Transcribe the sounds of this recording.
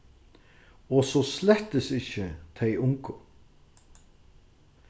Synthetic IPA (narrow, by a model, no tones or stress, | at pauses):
ɔsɔslɛt̪əsɪçət̪ʰejʊŋkʊ